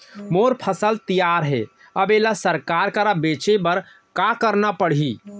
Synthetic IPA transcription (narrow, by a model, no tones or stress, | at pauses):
moɾpʰəsəlt̪ijaɾɦɛ̰ | əbelasəɾkaɾkəɾabet͡ʃebəɾ | kakəɾnapəɽi